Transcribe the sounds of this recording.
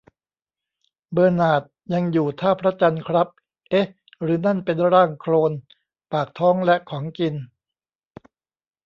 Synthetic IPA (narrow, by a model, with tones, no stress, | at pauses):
bɤː˧naː˨˩t̪̚ja˧ŋjuː˨˩t̪ʰaː˥˩pʰɾa˦˥t͡ɕa˧nkʰɾa˦˥p̚ | ʔe˦˥ | ɾɯː˩˦na˥˩npe˧nɾaː˥˩ŋkʰloː˧n | paː˨˩k̚t̪ʰɔː˦˥ŋlɛ˦˥ʔkʰɔː˩˦ŋki˧n